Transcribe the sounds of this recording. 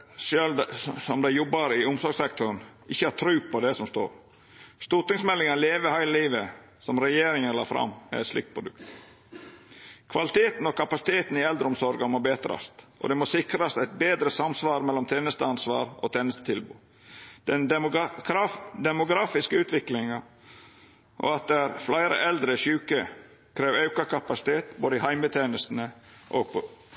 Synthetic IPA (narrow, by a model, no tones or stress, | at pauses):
ʃøːld̪sɔmd̪æɪjɔbːɑɾɪʊmsɔɾɡsɛkt̪ʰɔɾnʔɪçːəhɑt̪ʰɾʉːpʰɔd̪ɛsɔmst̪o̰ːɾ | st̪uʈ̪ɪŋsmɛlːɪŋənleːʋəɾhæɪlliːʋə | sɔmɾɛjeːɾɪŋənlɑ̰ːfɾɑ̰mːɛ̰ɾɛt̪slɪ̰k̚t̪pʰɾʊd̪ʉ̰kt̪ | kʰʋɑlɪt̪ʰeːt̪n̩ɔkʰɑpɑsɪ̥t̪ʰeːt̪n̩ɪɛld̪ɾəɔmsɔɾɡɑmɔbeːt̪ɾɑ̰st̪ʔɔ̰d̪ɛmoːsɪkɾɑst̪æɪt̪̚beːd̪ɾəsɑmsʋɑːɾmɛlːɔmt̪ʰeːnəst̪əɑnsʋɑ̰ːɾʔo̰t̪ʰeːnəst̪ə̥t̪ʰɪlbʉ̰ː | d̪̥ɛn | d̪ɛmʊɡɾɑːfɪskəʉːt̪ʋɪklɪŋɑ | ʔo̰ɑt̪̚d̪æɾflæɪɾə̰ʔɛld̪ɾəʃʉːkə | kʰɾeːʋɑʉkɑkɑpɑsɪ̥t̪ʰeːt̪boːd̪əɪhæɪmət̪ʰeːnəst̪nəʔo̰ɡ